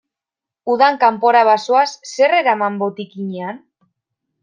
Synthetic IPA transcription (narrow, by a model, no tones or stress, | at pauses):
uðaŋkampo̞ɾaβasoasːe̞re̞ɾamambo̞t̪ikiɲean